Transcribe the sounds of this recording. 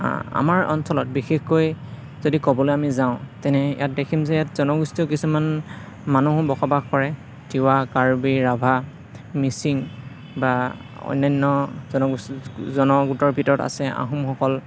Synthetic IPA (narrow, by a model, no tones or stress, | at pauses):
a̰maɹɔ̰nsɔlɔt̚bixexkoj | z̥odikɔbɔlojamizaʊ̃tɛnɛḭjat̚dekʰimzɛjatzɔnɔɡustiokisuman | manuɦʊ̃bɔxʰɔbaxkɔɹɛ | tiwakaɹbiɹabʱa | misiŋ | ba | ɔ̰jnajnːɔzɔnɔɡuszɔnɔɡutɔɹbʱitɔɹɔta̰sɛa̰ɦumxɔkɔl